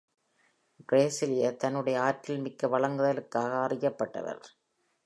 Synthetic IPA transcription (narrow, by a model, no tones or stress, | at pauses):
ɡɾeːsɪlɪjɐt̪ɐnːɯɽɐjɐaːʈːɪlmɪkːɐʋɐɭɐŋɡɯðɐlɯkːaːɣɐːrɪjɐpːɐʈːɐ̰ʋɐ̰ɾ